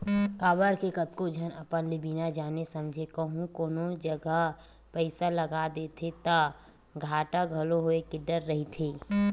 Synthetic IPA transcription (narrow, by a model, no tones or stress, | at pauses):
kaːbəɾkekət̪kod͡ʒʱənəpənlibiːnad͡ʒaːnesəmd͡ʒʱekəɦũkoːnod͡ʒəɡə | pəɪsaləɡad̪eːt̪ʰet̪a | ɡʱaːʈaɡʱɐloɦoekeɖəɾːəɦit̪ʰeː